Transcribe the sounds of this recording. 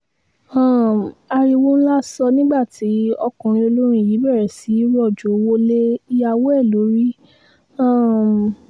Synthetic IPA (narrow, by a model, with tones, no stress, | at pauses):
ã˦˨a˧ɾi˧wo˦ñ̩˦la˦sɔ˧nĩ˦ɡ͡ba˦˨tʰi˨˦ɔ˧kũ˨ɾ̃ĩ˧o˧lo˦ɾ̃ĩ˦i˨ji˨˦bɛ˦˨ɾɛ˨si˨˦ɾɔ˦˨d͡ʒo˨˦˧wo˦le˦i˦ja˦˧wo˦ɛ˦˨lo˨˦ɾi˦ | ã˦˨